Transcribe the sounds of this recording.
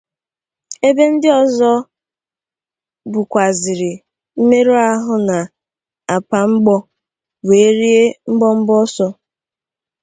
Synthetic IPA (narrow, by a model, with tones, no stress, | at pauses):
e˦be˦n̩˦dɪ˦ɔ˨zɔ˦ | bʊ˨kʷa˨zɪ˨ɾɪ˨ | m̩˦me˦ɾo˦a˦ɦʊ˨na˨ | a˨pa˨ŋ͡m̩˦ɡ͡bɔ˦ | we˨˦ɾi˦e˦ŋ͡m̩˦ɡ͡bɔ˦m̩˦bɔ˦sɔ˦